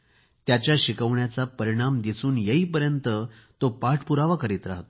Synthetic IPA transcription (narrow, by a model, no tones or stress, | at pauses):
t̪jat͡ɕjaɕikəʋɳjat͡sapəɾiɽ̃amd̪isuːnjeiːpəɾjənt̪ə | t̪opaʈʰpuɾaʋakəɾiːt̪ɾa̰ɦt̪o